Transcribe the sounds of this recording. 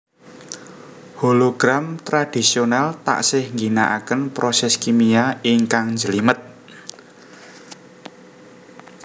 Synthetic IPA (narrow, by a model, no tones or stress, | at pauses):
holoɡ̥ɾamt̪ɾad̪̥i̤sionalt̪a̰ʔsɪhŋɡinaʔakənpɾosɛskimiaiŋkaŋnd͡ʒəlimət̪̚